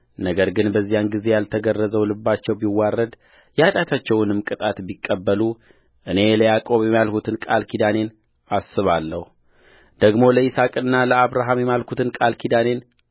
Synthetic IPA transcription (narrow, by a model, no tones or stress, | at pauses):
nəɡəɾɡɨnbəzːijanɡize̞jalt̪ʰəɡərːəzəwlɨbːat͡ʃːɛwbiwarːəd̪ | jat̪ʼat̪ʰat͡ʃːɛwnɨmkʼɨt̪ʼat̪bikʼːəbːəlu | ʔɨne̞ləjakʼo̞βjɛmːjalkʰut̪ʰɨnkʼalkʰid̪ane̞n | ʔasːɨβalːəhu | d̪̥əɡmo̞ləisakʼɨnːaləaβɾaɦamjɛmalkʰut̪ʰɨnkʼalkʰid̪ane̞n